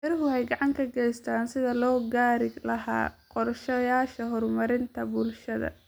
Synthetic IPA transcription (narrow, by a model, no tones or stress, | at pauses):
ɛɾɪɦʊhɛjɡɑʕɑŋkʰɐɡɛjst̪ʰaːnsɪðɐlɔːɡaːɾɪlɐɦa̰ːqɔrʃɐjaːʃɐɦɔrmɐɾɪnt̪ʰɐbʊlʃɐðɐ̰